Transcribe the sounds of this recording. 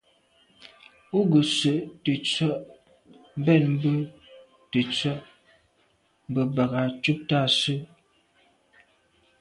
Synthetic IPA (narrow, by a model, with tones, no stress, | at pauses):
u˦ɡə˨sə˨ʔtə˨t͡sə˦˨ʔ | m̩˦bɛ˦˨nm̩˦bə˦ | tə˨t͡sə˦˨ʔ | m˨bə˨ba˨ɣa˨t͡ʃu˦p̚ta˦˨sə˦